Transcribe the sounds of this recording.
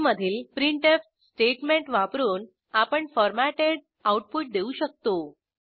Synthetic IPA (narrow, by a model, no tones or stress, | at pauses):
məd̪ʱiːlpɾiɳʈef | sʈeʈmẽɳʈʋapɾuːn | apəɳfɔɾmæʈeɽ | auʈ̚puʈ̚d̪euɕək̚t̪o